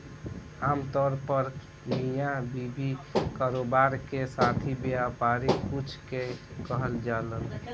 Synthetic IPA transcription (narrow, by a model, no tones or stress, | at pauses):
amt̪ɔɾpəɾ | mijãbibikaɾobaɾkesat̪ʰibjapaɾikut͡ʃʰkekəɦəld͡ʒalən